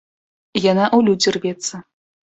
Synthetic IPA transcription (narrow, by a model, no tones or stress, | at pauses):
janaʔulʲud͡zʲirvʲɛt̪sɐ